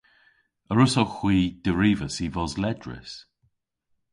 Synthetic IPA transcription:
əɹʊsoxwiːd̪̥əɹiːvəsivɔzlɛdɹɪ̰s

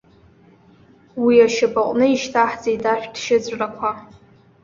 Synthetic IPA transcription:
wiaʃɪbaqʷʼnɨiʃtʰaħd͡zejdaʃᶣdʃɪd͡zʷʼrakʷʰa

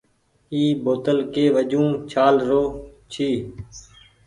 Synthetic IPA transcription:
iːboːt̪əlkeːʋəd͡ʒũːt͡ʃʰaːlɾoːt͡ʃʰiː

